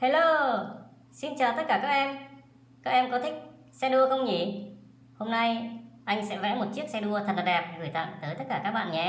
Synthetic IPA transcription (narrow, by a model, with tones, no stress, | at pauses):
he˧lo˧ | si˧nt͡ɕəː˨˩t̪ə˦˥t̚kaː˧˩kaː˦˥k̚ʔɛ˧m | kaː˦˥k̚ɛ˧mkɔ˨˦t̪ʰï˦˥k̚ | sɛ˧ɗu˧əxə˧wŋ͡mŋḭ˧˩ | ho˧mna˧jʔa˧jŋ̟sɛ̰˧˥vɛ̰˧˥mo˨˩t̚t͡ɕi˦˥ək̚sɛ˧ɗu˧ət̪ʰə˨˩nla˨˩ɗɛ˨˩p̚ɣɨ˨˧˩jt̪a̰ː˧˨ŋt̪əː˨˦jt̪ə˦˥t̚kaː˧˩aː˦˥k̚ɓa̰ː˧˨nɲɛ˨